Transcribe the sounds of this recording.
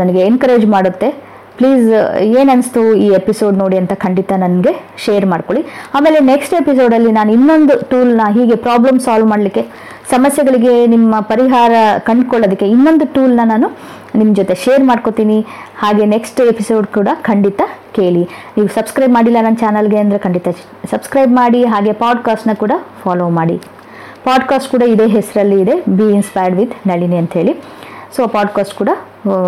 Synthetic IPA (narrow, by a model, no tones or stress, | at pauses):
nɐnɐɡe̞enkɐɾe̞ːd͡ʒmaːɽut̪ːe̞ | pliːzeːnɐnst̪uiːepiso̞ːɖnoːɽiɐnt̪ɐkʰɐɳɖit̪ɐnɐnɡe̞ʃeːɐɾmaːɽko̞ɭiaːme̞ːleneksʈepis̬o̞ːɖɐlːinaːnuinːo̞nd̪uʈuːlnɐɦiːɡe̞pɾaːblɐmsaːlʋmaːɽlikːe̞ | sɐmɐsjɛɡɐɭiɡe̞nimːɐpɐɾiɦaːɾɐkɐɳɖkoɭːod̪ɐkːe̞inːo̞nd̪uʈuːlnɐnaːnu | nimːd͡ʒot̪e̞ʃeːɐɾmaːɖko̞t̪iːni | haːɡe̞ːneksʈepʰisoːɖkuːɽɐkʰɐɳɖit̪ɐke̞ːɭiniːʋusɐbskɾɐjbmaːɽilːɐnɐnt͡ʃaːnɐlɡe̞ɐnd̪ɐɾekʰɐɳɖit̪ɐ | sɐbskɾɐjbmaːɽiɦaːɡe̞paːɖkaːsʈnɐkuːɽɐfʰaːloːmaːɽḭ | paːɖkaːsʈkuːɽɐid̪e̞ːɦɛsɐɾɐlːiːd̪e̞biːnspaːjɾɖʋid̪nɐɭiniɐnt̪ɐɦe̞ːɭi | soːpaːɖkaːsʈkuːɽɐ